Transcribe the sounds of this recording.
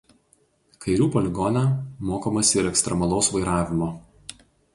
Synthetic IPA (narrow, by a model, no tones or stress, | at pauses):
kʰɐɪɾʲuːpɔlʲɪɡɔnʲɛmoːkomɐsʲɪɪɾɛkst̪ɾʲɛmɐlˠɔʊsʋɐɪɾɑːʋʲɪmoː